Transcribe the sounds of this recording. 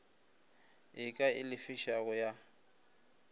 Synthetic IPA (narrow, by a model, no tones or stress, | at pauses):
ɪkʼaɪ̰lɪfɪʃaɣʊja